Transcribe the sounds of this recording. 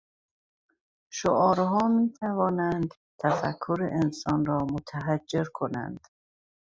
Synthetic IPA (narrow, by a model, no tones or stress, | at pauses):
ʃoʔɒːɾɦɒːmiːt̪ʰævɒːnænd̪ | t̪ʰæfæ̰kʰːuɾeʔensɒnɾɒːmot̪ʰæɦæd͡ʒːeɾkʰonæ̰nd̪̥